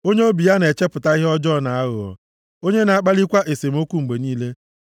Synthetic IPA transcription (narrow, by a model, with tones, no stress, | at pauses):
o˦ɲe˦o˦bi˨ja˦ne˨t͡ʃe˦pʊ˨ta˦i˦ɦɔ˦d͡ʒɔ˦˨na˨a˦ɣʊ̰˨ɔ̰˨ | o˦ɲe˦na˨a˦k͡pa˦li˦kʷa˦ʔe˨se˨m˦o˦kʷu˦ŋ͡m̩˨ɡ͡be˨niː˦le˦